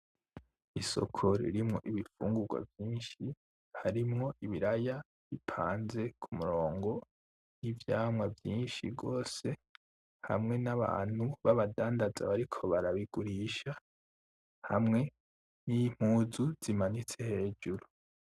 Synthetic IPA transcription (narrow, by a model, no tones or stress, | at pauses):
iso̞̰kʰoɾḭɾimŋo̞̰ʔiβifṵːŋɡuɡwa̰vjiːnʃi | haɾimŋo̞ʔiβiɾaja | βipʰaːnze̞kʰumuɾo̞ːŋɡo̞ | nivjaːmwavjiːnʃḭɡo̞ːse̞ | ha̰mŋe̞naβa̰ːn̥huβaβadaːndaza̰βaɾikʰo̞βaɾaβiɡ̥uɾiːʃa | hamŋe̞ | nim̥huːzuz̥imanit͡se̞he̞ːd͡ʒuɾu